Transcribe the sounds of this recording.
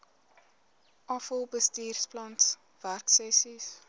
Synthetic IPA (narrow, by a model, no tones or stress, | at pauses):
ʔɑfəlˠbəstiːrsplɐnts | værksɛsis